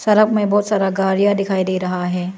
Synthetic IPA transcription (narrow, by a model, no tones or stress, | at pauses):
sɐɾəkmẽbɔːt̪saːɾaɡaːɾijad̪ɪkʰaːid̪eːɾɐɦaɦɛː